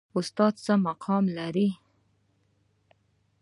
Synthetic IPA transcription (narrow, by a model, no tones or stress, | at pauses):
ʊst̪ɑd̪̚t͡səmaqʰɑmlaɾi